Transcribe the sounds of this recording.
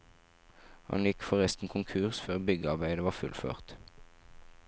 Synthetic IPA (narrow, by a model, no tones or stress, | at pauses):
hɑ̰njɪkfɔʁɛst̪n̩kʰʊŋkʰʉːʁsføːʁbʏɡəɑʁbæɪd̪əʋɑːfʉ̰lfø̰ːʁt̪